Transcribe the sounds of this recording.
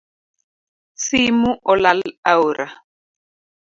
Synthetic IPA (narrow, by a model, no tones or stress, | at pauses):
simuʔɔlalauɾa